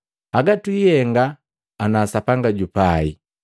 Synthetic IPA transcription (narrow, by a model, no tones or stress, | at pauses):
aɡatwijɛŋɡaː | nasapaŋɡaɟupaḭ